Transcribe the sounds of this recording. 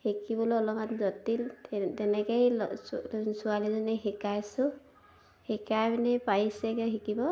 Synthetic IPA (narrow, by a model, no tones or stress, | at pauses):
hikibɔlɔlɔmatzɔt̪iltɛnɛkajl | sualizɔnɛɦɛkajsɔ | hɛkajminɛpajsɛkɔɦikibɔ